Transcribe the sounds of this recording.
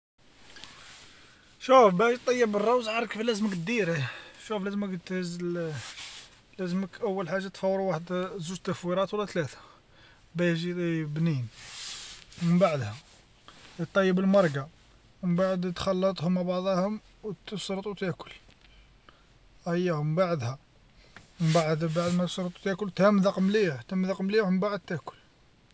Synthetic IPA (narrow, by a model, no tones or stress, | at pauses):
ʃufbæʃt̪ˤːɑjːəbərˤːɑwzʕɑɾˤkəflæzmək̪̚d̪iɾiʃuflæzməkt̪həz | læzməkʔəwːəlħaʒːat̪fɑwːɾuwaħəd̪zuʒt̪ːæfwiɾˤɑt̪wəlːæt̪læt̪ḁ | bæjʒibnin | mənbaʕd̪hæ | t̪ˤːɑjːəbəlmɑɾˤɡa | məmbaʕəd̪t̪xɑlːət̪ˤhʊmʕbɑʕd̪ˤɑhʊm | wt̪ːəsɾt̪ˤut̪æʔkʊl | hæjːæməmbaʕd̪hæ | məmbaʕəd̪baʕd̪mæt̪əsɾˤt̪ˤu̥t̪æʔkʊlt̪hæmðɑqmliʕt̪æmðɑqmliməmbaʕəd̪̚t̪ːæʔkʊ̥l